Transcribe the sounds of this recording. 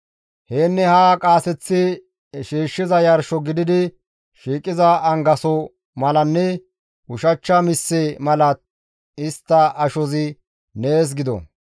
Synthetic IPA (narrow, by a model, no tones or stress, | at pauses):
heːnːɛhaːkʼaːsɛt͡sːɪ | ʃiːʃːɪzɐjɐɾʃɔɡɪd̪ɪd̪ɪ | ʃiːkʼːɪzɐːŋɡɐsɔ | mɐlɐnːɛ | ʊʃɐt͡ʃːɐmɪsːɛmɐlɐt̪ | ɪst̪ːɐɐʃɔzɪ | neːs̬ɡɪd̪ɔ̰